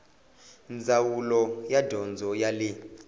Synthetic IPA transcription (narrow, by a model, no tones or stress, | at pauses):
nd͡zʱawulɔjadʱɔnd͡zʱɔjali